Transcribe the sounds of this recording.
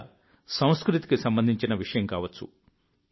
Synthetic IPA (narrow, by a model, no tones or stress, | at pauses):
sɐw̃skɾut̪i̥kisɐmbɐnd̪ʱiɲt͡ʃinɐʋiʂɐjɐmkaːʋɐt͡ʃːṵ